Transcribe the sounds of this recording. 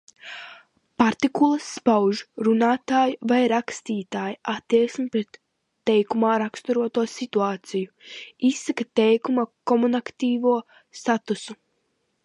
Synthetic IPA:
paɾt̪ikulˠɐsːpawʒɾunaːt̪aːjvajɾakst̪iːt̪aːjiʔat̪ːiɛksmipɾet̪ː | ɛjkumaːɾakst̪uɾuɔt̪uɔsit̪uaːt̪sijuisːakat̪ɛjkumakɔmunakt̪iːvuɔ | st̪at̪usu

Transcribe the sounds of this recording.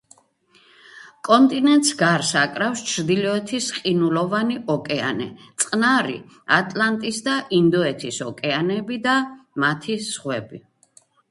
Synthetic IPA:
kʼɔnt̪ʼinɛnt̪ʼsɡaɾsakʼɾafst͡ʃʰɾd̪ilɔɛt̪ʰisqʼinulɔvaniʔɔkʼɛa̰nɛ̰t̪sʼqʼnaɾḭ | at̪ʼlant̪ʼisd̪aʔind̪ɔɛt̪ʰisɔkʼɛanɛbid̪amat̪ʰisʁwɛbi

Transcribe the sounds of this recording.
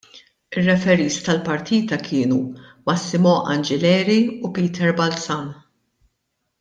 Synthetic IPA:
ɪrːɛfɛɾiːst̪ɐlpɐɾt̪ʰiːt̪ɐkʰɪːnumɐsːɪmɔʔɐnd͡ʒɛlɛːɾiupiːt̪ʰɛɾbɐlt͡sɐn

